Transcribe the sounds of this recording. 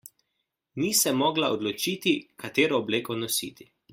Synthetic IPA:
nisɛmːɔːɡlaɔd̪lɔt͡ʃiːt̪ikʰat̪eːɾɔːbleːkɔnɔsḭːt̪i̥

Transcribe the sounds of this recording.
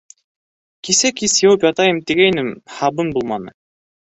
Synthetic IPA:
kisækisjowpjɑt̪ɑjɤmt̪iɡæjnɘmhɑbɤnbulˠmɑnɤ̰

